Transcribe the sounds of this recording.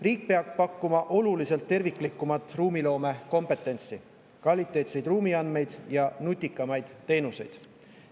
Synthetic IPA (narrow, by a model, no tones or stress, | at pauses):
riːk̚peɑɡ̥pɑkːumɑʔo̞lulise̞lt̪ːe̞rvikˑlikːˑumɑt̪ːˑruːmilo̞ːme̞ko̞mpe̞t̪ːˑe̞nt̪si | kvɑlʲit̪ːˑe̞ːt̪se̞jd̪̥ruːmiɑnme̞jd̪̥jɑnut̪ʲːˑikːˑɑmɑjd̪̥t̪ːe̞ːnuse̞̰jd̪̥